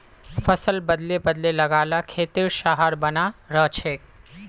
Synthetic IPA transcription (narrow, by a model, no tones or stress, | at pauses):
pʰəsəlbəd̪lebəd̪leləɡalakʰet̪iɾʃaɦəɾbənaɾəɦt͡ʃʰek